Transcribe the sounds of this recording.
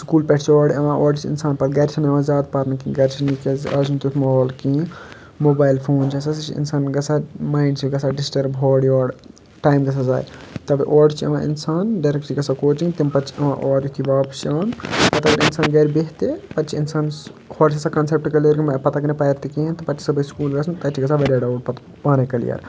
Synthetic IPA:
skuːlpɛʈʰt͡ʃʰiɔːɽiɐʋãʔɔːɽit͡ʃʰiḭnsaːnpɐt̪ɡɐɾt͡ʃʰinɐʋazaːd̪̚pɐɾnɐkĩɡɐɾt͡ʃʰinikezɐzunt̪ut̪ʰmɐoːlkĩː | moːbaːjlpʰoːnt͡ʃʰɐsɐsit͡ʃʰiḭnsaːnɡɐsamaːjɳɖt͡ʃʰiɡɐsaɖisʈɐɾbʱoːɽioːɽ | ʈaːjmɡɐsʰaza̰ːjt̪ɐbiʔɔːɖt͡ʃʰiɐ̰ʋãːḭnsaːnɖɐɾek̚ʈt͡ʃʰiɡɐsakoːt͡ʃĩŋɡt̪impɐtːt͡ʃʰiɐmã̰ʔoːɾjut̪ʰiʋaːpʃaːnpɐt̪ɐɡɐɾinsaːnɡɐɾbeɦt̪epɐtːt͡ʃʰiinsaːn | hoːɾt͡ʃʰɐsakɐnsep̚ʈkɐlijɐɾkimpɐt̪akɐnɐpɐjɾt̪ikĩnt̪ɐpɐtt͡ʃʰi̥sɐbɐskuːlɡɐsʰnt̪ɐt͡ʃʰiɡɐsʰaʋɐɾjaɖɐɖpt̪ | paːnekɐlḭjɐ̰ɾ

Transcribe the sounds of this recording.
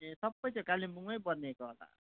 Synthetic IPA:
esʌbʌjt͡sʌ̃kalimuŋʌjbʌnekoɦla̰

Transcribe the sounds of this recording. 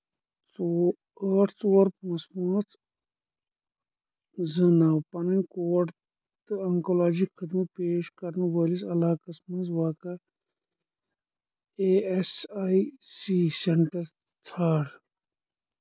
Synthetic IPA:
t͡so | əːʈʰt͡soːɐɾpmɐspunɐt͡s | zɨnawpɐnɐnkoːɐʈ | t̪ɨɐŋkolaːd͡ʒikʰːɐd̪mɐpeːʃkɐɾnubɐlisɐlaːkɐsmɐnzʋaːka | eesajsiseɳʈɐɾ | t͡s̪ʰaːɽ

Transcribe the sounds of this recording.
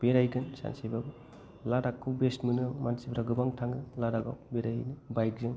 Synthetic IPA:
b̥eɾajɡɯnsa̰nsejbab | laɾakʰːɯbestmunɯmansibɾaɡɯbaŋtʰaŋɡɯlaɾaɡa̰beɾajnɯbajt̚d͡ʒɯŋ

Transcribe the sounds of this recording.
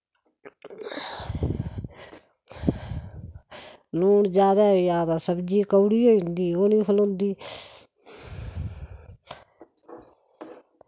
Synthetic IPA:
loːɳd͡ʒjaːd̪aːjaːd̪aːsəbd͡ʒiːkəɽiːɦoːĩnd̪iːoːnĩːpʰəlõːnd̪iː

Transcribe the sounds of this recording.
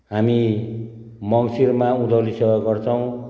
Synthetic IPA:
ɦami | mʌŋsirmaũd̪ʱʌlisʌɦʌɡʌrt͡sʰʌw̃

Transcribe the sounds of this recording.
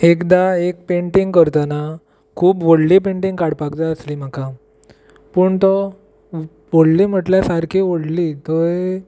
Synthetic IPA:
ekd̪aek̚peɳʈĩŋɡkəɾt̪ana | kʰuːpʋoɽlipẽɳʈiŋɡkaɽpakd͡z̪aəsliːm̤aka | pəːɳt̪ɔ | ʋoɽliːm̤əʈljasaɾkʰiʋoɽliːt̪ɔe

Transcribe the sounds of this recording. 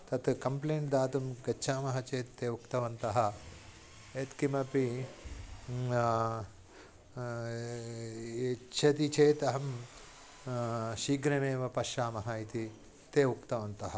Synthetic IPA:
t̪ɐt̪kɐmpleːɳʈd̪aːt̪umɡɐːʃʰaːmɐɦɐt͡ʃeːt̪ːeːukt̪ɐʋɐnt̪ɐɦɐ̆ | eːt̪kimɐpi | t͡ʃʰɐt̪it͡ʃeːt̪ɐɦɐm | ʃiːɡɾɐmeːʋɐpɐʃaːmɐɦɐit̪i | t̪eːukt̪ɐʋɐnt̪ɐɦɐ̆

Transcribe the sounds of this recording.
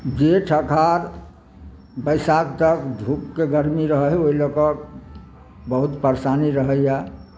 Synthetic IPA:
d͡ʒeʈʰəkʰaɾ | bəjsakt̪əkd̪ʱukːeɡəɾmiɾəɦəɦoɦilokək̚ | bəɦut̪pəɾsaniɾəɦəjja

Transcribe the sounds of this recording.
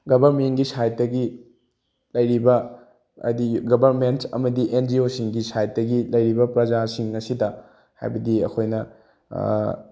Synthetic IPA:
ɡɐbʱɐɾmenɡisajt̚dɐɡi | lɐjɾibɐ | ɐ̰diɡɐbʱɐɾmentɐ̰mɐdiʔend͡ʒiosiŋɡisajt̚dɐɡilɐjɾibɐpɾɐzasiŋɐsidɐ | ha̰jbɐdiɐ̰kʰojnɐ̰

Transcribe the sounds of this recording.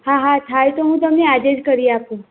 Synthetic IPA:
ɦãɦat̪ʰajt̪oɦũt̪əmnead͡ʒed͡ʒkəɾiapũ

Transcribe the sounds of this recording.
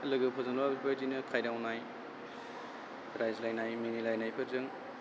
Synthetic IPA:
lɯɡɯpʰɐzanbabipʰɐɾdinɯkʰajɾawnaj | ɾajzlajnajmenilajnajpʰɯɾzɯŋ

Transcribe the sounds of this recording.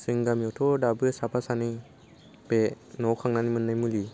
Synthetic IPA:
sɯŋɡamiɔtʰɔdabɯsapʰasani | pe | nɔwkʰaŋnanimɯnːajmuli

